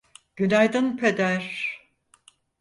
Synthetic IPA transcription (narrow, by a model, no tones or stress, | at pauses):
ɟ̥ynæjd̪ɯnpʰed̪æɾ